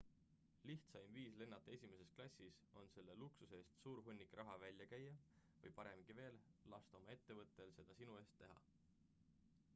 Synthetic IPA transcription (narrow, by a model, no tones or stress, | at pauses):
liht̪sɑjmviːsle̞nːɑt̪ːˑɑe̞sʲime̞se̞sklɑsʲːiso̞nse̞lːe̞luksuseːst̪suːɾɦunʲːikrʔɑɦɑvælʲjɑkæjːɑ | vɤ̰jpɑɾe̞mɡ̥ive̞ːllɑst̪ɑo̞mɑe̞t̪ːe̞vɤt̪ˑːe̞lse̞d̪̥ɑsinue̞ːst̪ːe̞ɦɑ̰